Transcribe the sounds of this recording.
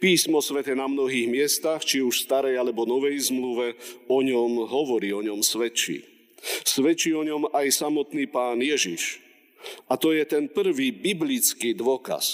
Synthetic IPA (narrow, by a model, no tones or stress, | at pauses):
piːsmɔsʋɛt̪ɛnamnɔɦiːɣmɪɛst̪axt͡ʃiuʃst̪aɾɛjalɛbɔnɔʋɛjzmluʋɛɔɲɔmɦɔʋɔɾiːɔɲɔmsʋɛt͡ʃḭː | sʋɛt͡ʃiːɔɲɔmajsamɔt̪niːpaːnjɛʒḭʃ | at̪ɔjɛt̪ɛnpr̩ʋiːbiblit͡skiːd̪ʋɔka̰s